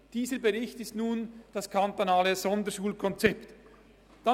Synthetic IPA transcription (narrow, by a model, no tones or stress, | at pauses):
d̥iːzəbəʁɪçtɪstnuːnd̥ɑskʰantonaːləz̥ɔndəʃuːlkʰɔnt͡sɛpt | d̥a